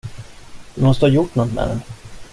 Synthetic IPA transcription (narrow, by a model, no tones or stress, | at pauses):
d̪̥ɵmɔst̪əhɑjʊʈːnɔt̪ːmɛ̰ɾɛ̰n